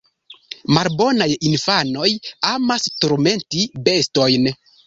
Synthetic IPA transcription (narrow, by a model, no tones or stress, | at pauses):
malbo̞najinfano̞jamastoɾme̞ntibe̞sto̞jn